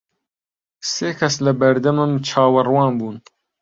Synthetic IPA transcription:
seːkʰɐslɐbɐɾd̪ɐmɨmt͡ʃʰɑːwɐrwɑːnbuːn

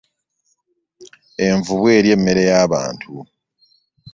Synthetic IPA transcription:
e̞ɱvuβwe̞ːɾje̞mːe̞ɾe̞jaːβa̰ːntʰu

